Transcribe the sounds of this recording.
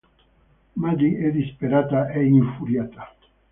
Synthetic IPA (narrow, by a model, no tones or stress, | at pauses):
mad͡ʒiʔeðispeɾat̪aʔeiɱfuɾjat̪a